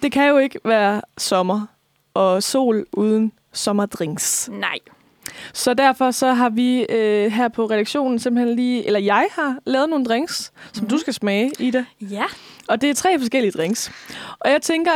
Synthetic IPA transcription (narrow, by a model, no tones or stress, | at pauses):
d̥e̝kʰæjo̝e̝ɡ̥əʋæːɐsɒ̽mɐ | ʔɒ̽so̝̰ːlʔuːð̞ˠən̩ | sɒ̽mɐd̥ʁeŋ̰snɑɪ̰ | sɒ̽d̥æɐ̰fɒ̽sɒ̽ɦɑ̈ʋiøɦæɐ̰pʰɒ̽ʁɛɾ̥æɡ̥ɕo̝̰ːnn̩semb̥l̩henliːʔelɐjɑ̈ɪhɑ̈lɛːð̞̩ˠno̝ːn̩d̥ʁeŋssɒ̽md̥usɡ̥æsmɛːid̥e̝jɒ̽d̥e̝æɐt͡sʰʁɛ̰ːfɒ̽s̬ɡ̥el̰iəd̥ʁeŋsʔɒ̽jɑ̈ɪt͡sʰeŋɡ̥ɐ